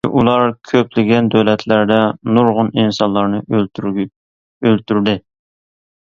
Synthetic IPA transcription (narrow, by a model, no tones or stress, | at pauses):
ʔulˠɑɾkʲʰøplɪɡʲɛnd̪øwlɛt̪ʰlæɾd̪ɛnuɾʁʊninsɑnlˠɑɾnɨ | ølt̪ʰyɾd̪ɪ